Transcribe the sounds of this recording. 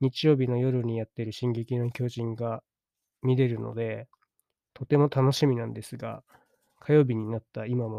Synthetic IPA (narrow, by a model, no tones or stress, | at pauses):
ɲ̟it͡ɕijo̞ːbʲino̞jo̞ɾɯ̟ɲ̟ijat̪ːe̞ɾɯ̟ɕĩŋɡe̞kʲinokʲo̞ːʑĩŋɡa | mʲid̪e̞ɾɯ̟no̰d̪e̞ | t̪o̞t̪e̞mo̞t̪ano̞ɕimʲinãnd̪e̞sɨɡa̰ | kʰajo̞ːbʲiɲ̟inat̪ːaimamo̞